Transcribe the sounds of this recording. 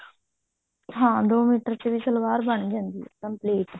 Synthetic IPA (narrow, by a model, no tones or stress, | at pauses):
ɦãːd̪oːmiːʈəɾt͡ʃebisəlʋaːɾbəɳd͡ʒaːnd̪ikəmpleːʈ